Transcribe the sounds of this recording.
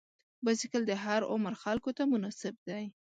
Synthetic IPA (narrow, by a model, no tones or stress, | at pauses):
basɪkəld̪əɦaɾʊ̰maɾxalkot̪amʊnɑsɪb̚d̪aj